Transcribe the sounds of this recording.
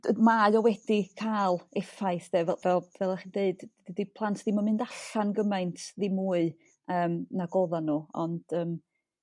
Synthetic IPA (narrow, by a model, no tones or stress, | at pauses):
maɨɔwɛdikʰaːlˠɛfaɨθdɛvɛvɛlˠvɛlˠaχindeɨd̥didipʰlˠantʰðimanmɨndaɬanɡəmajntʰðimuːɨ | əːmnaɡɔðanːuɔ̰nd̥əːm